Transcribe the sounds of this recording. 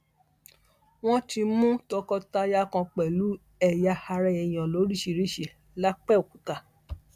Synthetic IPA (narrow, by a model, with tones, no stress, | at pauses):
w̃ɔ̃˦ti˧mũ˦tɔ˧kɔ˧ta˧ja˧kã˧k͡pɛ˨lu˨˦ | ɛ˨ja˧ha˧ɾɛ˧ɛ˨j̃ã˨lo˨˦ɾi˦˨ʃi˧˨ɾi˦˨ʃe˨ | la˦k͡pɛ˦˨o˨ku˨ta˧˨